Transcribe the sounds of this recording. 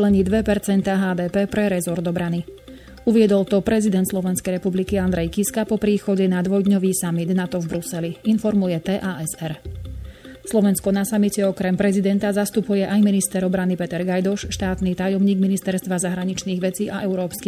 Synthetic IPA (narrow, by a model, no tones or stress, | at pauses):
lɛɲiːd̪ʋɛpɛɾt͡sɛnt̪aːɦaːd̪ɛːpɛːpɾɛɾɛzɔɾd̪ɔbɾani | uʋɪɛd̪ɔlt̪ɔpɾɛzid̪ɛnt̪slɔʋɛnskɛjɾɛpublikiand̪ɾɛjkiskapɔpɾiːxɔɟɛnad̪ʋɔjd̪ɲɔʋiːsamid̪nat̪ɔvbɾusɛliinfɔɾmujɛt̪ɛːʔaːɛsɛɾ | slɔʋɛnskɔnasamicɛɔkɾɛmpɾɛzid̪ɛnt̪azast̪upujɛʔajminist̪ɛɾɔbɾanipɛt̪ɛɾɡajd̪ɔʃʃt̪aːt̪niːt̪ajɔmɲiːɡminist̪ɛɾst̪ʋazaɦɾaɲit͡ʃniːɣʋɛt͡siːʔaʔɛʊɾɔːpski